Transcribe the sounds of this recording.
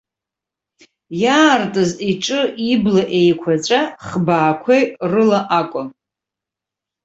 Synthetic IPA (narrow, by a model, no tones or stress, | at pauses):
jaːrtʼɨziʈ͡ʂʼɨiblaʔe̞jkʷʰat͡ʃʷʼaχbaːkʷʰejrɨlaʔakʷʼʊm